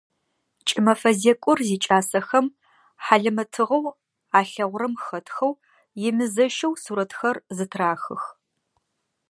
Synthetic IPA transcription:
t͡ʃʼɪmɐfɐzɐkʷʼʊrziːt͡ʃʼaːsɐxɐm | ħaɮɐmɐtʰɨʁɐw | aːɬɐʁʷʊɾɐmxɐtʰxɐw | jɪmɨzɐʃɐwsuɾɐtxɐrzɨtʰraːxɨ̰x

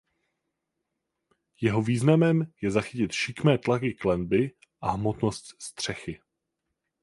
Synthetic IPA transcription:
jɛɦo̞viːznamɛmjɛzaxɪcɪt̪ʃɪkmɛːt̪lakɪklɛnbɪ | ʔaɦmot̪no̞st̪st̪r̝̥ɛxɪ

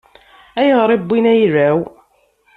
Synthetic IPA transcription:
æjəʁɾˤibːinæjɾæw

